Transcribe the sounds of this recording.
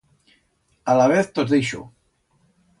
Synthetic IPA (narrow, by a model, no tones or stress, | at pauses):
alaβ̞eθt̪ozðiʃo̰